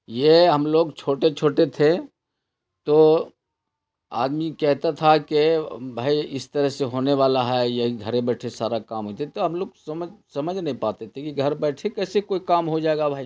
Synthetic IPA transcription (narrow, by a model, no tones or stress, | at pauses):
jeɦɐmloːɡt͡ʃʰoːʈet͡ʃʰoːʈet̪ʰe | t̪oː | a̰ːd̪mikɛɦt̪at̪ʰakebʱaːiɪst̪əɾəɦseɦoːneʋaːlaɦɛjɐɦiɡʱəɾẽbɛːʈʰesaːɾakaːmɦoit̪ʰet̪oɦɐmloːɡsɐməsɐməd͡ʒʱnɐɦĩpaːt̪et̪ʰekiɡʱɐɾbɛːʈʰekɛːsekoːikaːmɦod͡ʒaːeɡabʱaːi